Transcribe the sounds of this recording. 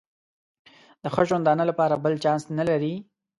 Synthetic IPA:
d̪̥əxəʒwand̪ɑnəlapɑɾabəlt͡ʃɑnsnalaɾi

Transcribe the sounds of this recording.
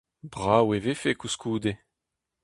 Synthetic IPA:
bʁaːwevefekuskuːd̪e

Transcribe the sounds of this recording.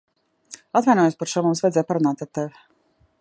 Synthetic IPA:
at̪vajnɔjoːspaɾʃuɔmumsvajd̪zɛj̚paɾunaːt̪aɾt̪evɪ

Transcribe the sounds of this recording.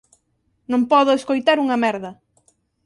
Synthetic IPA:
nõŋpɔðʊeskojt̪aɾuŋɐmɛɾðɐ

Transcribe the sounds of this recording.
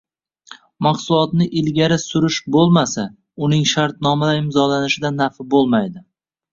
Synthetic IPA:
maqsʊlˠɒt̪nɪʔɪlɡʲaɾɪsʊɾɪʃbolˠmasa | ʊnɪŋʃaɾt̪nɒmalaɪmzɒlanɪʃɪd̪anafɪbolˠmajd̪ɪ

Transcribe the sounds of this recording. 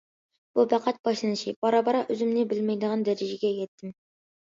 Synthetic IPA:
b̥upæqʰɑt̪̚b̥ɑʃlˠɨnɨʃibɑɾɑbɑɾɑʔøzɪmnɪbɪlmɛjd̪əʁɑnd̪æɾɪd͡ʒɪɡʲɛjɛt̪ʰːɪm

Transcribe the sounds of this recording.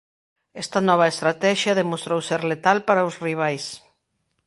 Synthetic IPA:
ɛst̪ɐnɔβaest̪ɾat̪ɛʃjɐðemost̪ɾowseɾlet̪alpaɾaʊsriβ̞ajs

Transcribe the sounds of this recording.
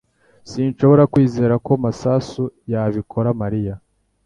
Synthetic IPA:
siːnʃo̞βo̞ɾakwiːze̞ːɾako̞masasujaβikʰo̞ɾamaɾija

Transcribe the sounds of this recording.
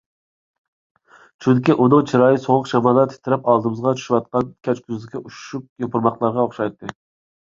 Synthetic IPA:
t͡ʃʰyŋkʲiʔunɨŋt͡ʃʰiɾɑːjisoʁʊqʃɑmɑːlˠɑt̪ʰi̥t̪ʰɪɾɛpɑlˠd̪ɨmɨzʁɑt͡ʃʰy̥ʃiwɑt̪̚qɑnkʲʰɛt͡ʃkʲʰyzd̪ɪkʲɛʔuʃʃup̚jopʰɨɾmɑqlˠɑɾʁɑoχʃɑjt̪ʰːɨ

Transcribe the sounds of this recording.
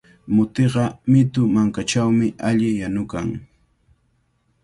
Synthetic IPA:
mʊt̪eɢɑmɪt̪ʊmaŋkat͡ʃawmɪʔaʎɪjanʊkaŋ

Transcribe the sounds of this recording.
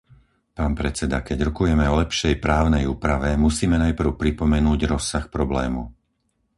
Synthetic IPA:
paːnpɾɛt͡sɛd̪akɛɟɾɔkujɛmɛɔlɛpʃɛjpɾaːʊnɛjuːpɾaʋɛmusiːmɛnajpr̩ʊpɾipɔmɛnuːɟɾɔsːaxpɾɔblɛːmṵ

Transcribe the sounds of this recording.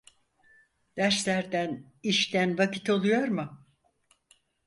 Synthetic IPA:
d̪̥æɾslʲæɾd̪æn | iʃt̪ænvacʰit̪o̞lˠujo̞ɾmʊ

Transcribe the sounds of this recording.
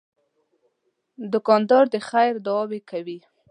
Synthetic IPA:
d̪ʊkɑnd̪ɑɾd̪əxajɾd̪awɑbekawi

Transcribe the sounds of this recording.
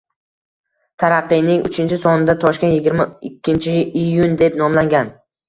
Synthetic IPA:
t̪ʰaɾaqːɨjnɪŋʊ̰t͡ʃʰɪnt͡ʃʰɪsɒnɪd̪at̪ʰɒʃkʲe̞njɪɡʲɪɾmaɪkʲːɪnt͡ʃʰɪijʊnd̪e̞pnɒmlaŋɡʲan

